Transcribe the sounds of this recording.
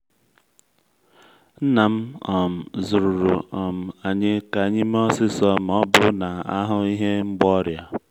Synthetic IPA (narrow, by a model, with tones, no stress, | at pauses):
n̩˦na˨m̩˦ɔ˨m̩˨zu˨ɾu˨ɾu˨ɔ˨m̩˨a˨ɲɪ˦ka˨ɲɪ˦m˦ɔ˦sɪ˦sɔ˦m̩˨ɔ˦bʊ˦na˨a˦ɦʊ˦i˦ɦe˦ŋ͡m̩˦ɡ͡bɔ˦ɾja˨